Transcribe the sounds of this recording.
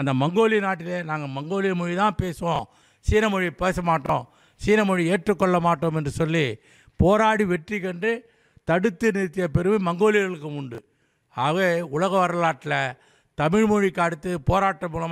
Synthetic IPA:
ɐnd̪ɐmɐŋɡoːlɪjɐnaːʈːɪlenaːŋɡɐmɐŋɡoːlɪjɐmɔɻit̪ãːpeːsɯʋõ | siːnɐmɔɻipeːsɐmaːʈːõː | siːnɐmɔɻieːʈrɯkːɔɭːɐmaːʈːoːmɛndrɯsɔlːi | poːɾaːɽiʋɛʈrikɐɳɖɯ | t̪ɐɽɯt̪ːɯnɪt̪ːɪjɐpɛɾɯmɯmɐŋɡoːlɪjɐɭɯkːɯʊɳɖɯ | aːʋeːʊlɐɣɐʋɐɾɐlaːʈːɪlɐ | t̪ɐmɪɻmɔɻikːaːɽɯt̪ːɯpoːɾaːʈːɐmuːlɐm

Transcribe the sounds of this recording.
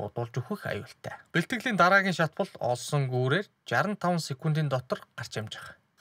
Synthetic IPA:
ʊ̰t̪ʊːɮt͡ɕuxĭxa̰jʊ̰ːɬt̪ʰæ̰ːpeɬt̪ɡɘ̆ɣɮiːnt̪aɾaːɣʲiːŋʃat̪pə̆ɮɔ̰ɮsɞ̆ŋɡuːɾeːr | t͡ɕaɾə̆nt̪ʰawə̆nsekunt̪iːnt̪ɔt̪ɞ̆rɢar̥t͡ɕamt͡ɕɪ̥̆χ

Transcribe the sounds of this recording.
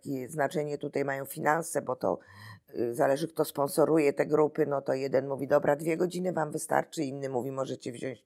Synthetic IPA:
kʲɛznat͡ʂɛɲɛt̪ut̪ajmajɔ̃w̃fʲinansɛbɔt̪ɔ̰ | zalɛʐɘk̚t̪ɔspɔnsɔɾujɛt̪ɛɡɾupɘnɔt̪ɔjɛd̪ɛnmuvʲid̪ɔbɾʔad̪vʲjɛɡɔd͡ʑinɘvamvɘst̪a̰ɾt͡ʂɘinːɘmuvʲimɔʐɛt͡ɕɛvʑɔ̃w̃ɕt͡ɕ

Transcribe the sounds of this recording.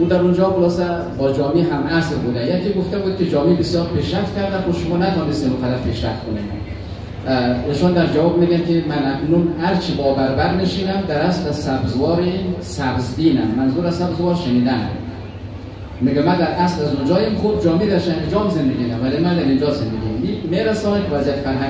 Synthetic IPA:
ud̪æɾund͡ʒɒxolɒːsæ | bɒːd͡ʒɒːmiɦæmʔæslbud̪æjekiɡoft̪æbud̪̚kʲed͡ʒɒːmibesjɒːɾpʰeʃɾæft̪̚kʲæɾd̪æxoʃʊmɒːnæt̪ʰɔːnest̪iːnuqæd̪æɾpʰeʃɾæft̪kʰoni | iːʃɔnd̪æɾd͡ʒævɒːbmiːɡænkimænæknunhæɾt͡ʃʰibɒːbæɾbæɾneʃiːnæmd̪æɾæslæzsæbzvɒːɾensæbzd̪iːnæmːænzuːɾæzsːæbzvɒːɾʃeniːd̪æn̰m | miɡɛmæd̪æɾʔæslæzund͡ʒɒːjimxub̚d͡ʒɒːmed̪æɾʃæned͡ʒɒːmzend̪eɡʲid̪æmvælemænd̪æɾind͡ʒɒːzend̪eɡʲimmimeɾæsɒːnikʰvæzijæt̪fæɾɦæ

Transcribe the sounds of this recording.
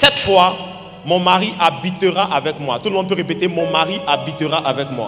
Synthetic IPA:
sɛt̪fwa | mɔ̃maʁiʔabit̪əʁaʔavɛkmwa̰t̪utlmɔ̃d̪̚p̬øʁepet̪emɔ̃maʁiʔabit̪əʁaʔavɛkmwa̰

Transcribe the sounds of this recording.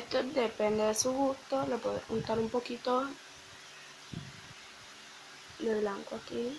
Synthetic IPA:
et̪od̪epend̪eðesuɣust̪olepweðeunt̪aɾumpokit̪o | d̪eβlaŋkwaki

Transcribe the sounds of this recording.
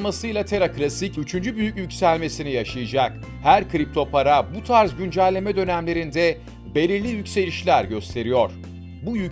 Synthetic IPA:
masɯjlˠat̪ʰe̞ɾaklʲˠasicyt͡ʃʰynd͡ʒybyjycjycsælʲme̞sinijaʃɯjɯd͡ʒak | hæɾkʰɾip̚t̪ʰo̞pʰaɾabut̪ʰaɾzɟynd͡ʒælʲːe̞mɛd̪ø̞næmlʲe̞ɾind̪ɛ | be̞lʲiɾlʲijycse̞lʲiʃlʲæɾɟø̞st̪ʰe̞ɾijo̞ɾ̥ | bujy

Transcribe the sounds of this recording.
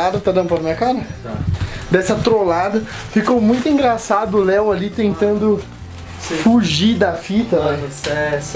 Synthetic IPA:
ad̪ɐt̪ad̪ɐ̃nʊpɐɾɐmĩɲɐkaɾɐ | d̪ɛsɐt̪ɾolad̪ɐ | fikowmũj̃t̪ʊĩŋɡɾasad̪ʊʊlɛwalit̪ẽnt̪ɐ̃nd̪ʊ | sfuʒid̪ɐfit̪ɐlɛsɛs

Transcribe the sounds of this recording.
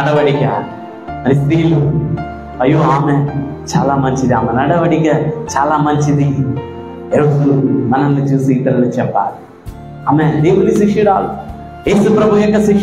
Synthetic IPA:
ɐɽɐʋɐɽikɐ̰ | ɐɾist̪iːlu | ɐjuːaːme | t͡ʃaːlaːmɐɲt͡ʃid̪iaːmenɐɽɐʋɐɽikɐt͡ʃaːlaːmɐɲt͡ʃid̪i | eɾud̪uumɐnɐnːut͡ʃuːsiːt̪ɐɾɐnit͡ʃɛpːa̰ːɾu | aːmed̪eːʋunisikʂɐɾaːlu | jeːsupɾɐbʱujɔkːɐsikʂ

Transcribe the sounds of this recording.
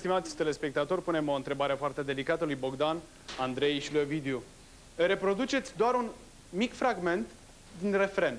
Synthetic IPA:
st̪imat̪sʲt̪ele̞spe̞k̚t̪at̪o̞rpune̞mo̞nt̪ɾe̞baɾe̞foart̪e̞d̪e̞likat̪əlujbo̞ɡd̪an | and̪ɾejʃluevid̪iu | re̞pɾo̞d̪ut͡ʃe̞t̪sʲd̪oaɾun | mikfɾaɡme̞nt̪ | d̪inre̞fɾe̞n

